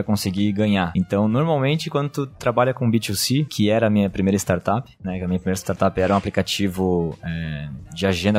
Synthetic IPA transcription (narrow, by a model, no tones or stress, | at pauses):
kõsɪɡiɡɐ̃ɲaẽt̪ɐ̃w̃noɾmawmẽnt͡ʃɪkwɐ̃d̪ʊt̪ʊt̪ɾabaʎɐkõbit͡ʃusikʰɪɛɾɐːmĩɲɐpɾimejɾɐɪst̪aɾt̪apɪ̥nɛkɛɐmiɲɐpɾimejɾɐɪst̪aɾt̪apɪɛɾɐũaplikat͡ʃivʊɛd͡ʒɪaʒẽnd̪ɐ